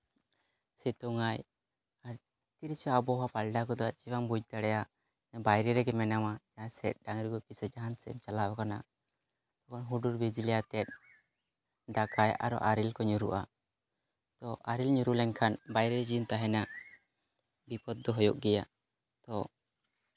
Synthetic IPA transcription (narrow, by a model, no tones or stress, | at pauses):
sɛt̪ɔŋaj | aɾ | t̪iɾt͡ʃaabɔɦapalɖakɔd̪ɔat͡ʃiwaŋbud͡ʒ̚ˀt̪aɽɛja | bajɾɛɾɛɡɛmɛnamad͡ʒaasɛt̪̚ˀɖaŋɾiɡɔpisɛd͡ʒaɦansɛmt͡ʃalawakana | t̪ɔkɔnɦuɖuɾbɛd͡ʒilijat̪ɛt̪̚ | dakajʔa̰ɾɔ̰ʔaɾilkɔɲuɾṵʔa | t̪ɔaɾilɲuɾulɛŋkʰanbajɾɛd͡ʒint̪aɦɛna | bipɔd̪̚ːɔɦɔjɔʔɡɛja | t̪ɔ